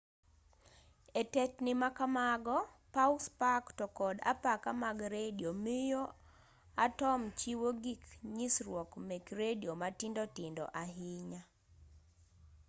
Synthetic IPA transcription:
etɛtnɪmakamaɡɔ | pauspaktɔkɔda̰pakamaɡɾediomɪjo | atɔmt͡ʃiwoɡikɲisɾwɔkmekɾediomatindɔtɪndɔ̰ʔaɦɪɲa

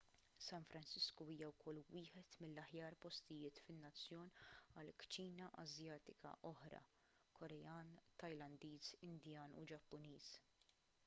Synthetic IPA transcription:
sɐnfɾɐnt͡ʃɪskuiːjɐwkʰɔlːwɪːħɛt̪mɪlːɐħjɐːɾpɔst̪ɪjɪːt̪fɪnːɐt͡sːjɔːnɐlkt͡ʃiːnɐʔɐ̰zjɐːt̪ɪkʰɐ̰ʔɔħɾɐ̰ | kʰɔɾɛjɐːnt̪ɐjlɐnd̪iːzɪnd̪jɐːnṵd͡ʒɐpːʊniːs

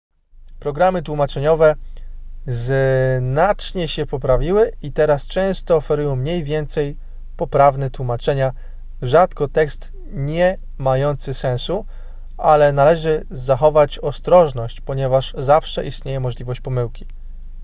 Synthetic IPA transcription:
pɾɔɡɾamɘt̪wumat͡ʂɛɲɔvɛ | znat͡ʂɲɛɕɛpɔpɾavʲiwɘit̪ɛɾast͡ʂɛ̃w̃st̪ɔːfɛɾujɔ̃w̃mɲejvʲjɛnt̪sɛj | pɔpɾavnɛt̪wumat͡ʂɛɲa | ʐat̪kɔt̪ɛkst̪ | ɲɛ | majɔnt̪sɘsɛ̃w̃su | ʔalɛnalɛʐɘ | zaxɔvat͡ɕɔst̪ɾɔʐnɔɕt͡ɕpɔɲɛvaʐzafʂɛʔḭst̪ɲejɛmɔʐlʲivɔɕt͡ɕpɔmɘwkʲi̥

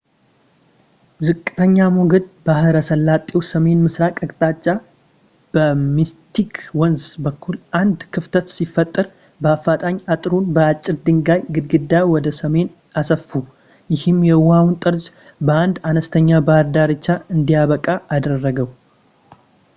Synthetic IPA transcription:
zɨkʼːɨ̥t̪ʰəɲːamuɡəd̪̚bahɨɾəsəlːat̪ʼːewsəme̞nmɨsɾakʼəkʼt̪ʼat͡ʃʼːa | b̥əmist̪ʰikʰwɔnzbəkːulʔand̪kʰɨft̪ʰət̪sifːət̪ʼːɨɾ | bəafːat̪ʼaɲat̪ʼɾunbəat͡ʃʼːɪɾd̪ɨŋɡajɡɨd̪ɡɨd̪ːawɔd̪əsəme̞n | ʔasəfu | jɪhɨmjɛwawnt̪ʼɨɾz | bəand̪anəst̪ʰəɲːabahɾd̪aɾɨt͡ʃːaɨnd̪ijaβəkʼaʔːd̪ərːəɡəw

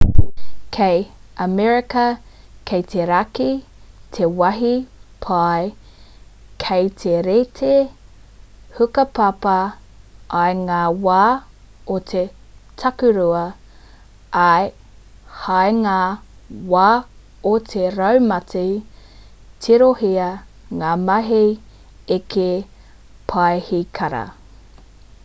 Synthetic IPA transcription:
kʰejɐmɛɹɪkɐ | kʰejt̪ʰeɾakitʰewɐɦipʰaj | kʰejt̪ʰeɾetʰe | hʉkɐpɐpɐ | ʔːjŋaːwaː | ot̪ʰe | tʰɐkʉɾuɐ | ɐj | hajŋaːwaː | ot̪ʰeɾɐwmɐtʰi | tʰiɾohiɐ | ŋaːmɐɦi | ekʰe | pʰaehikʰɐɾɐ̰

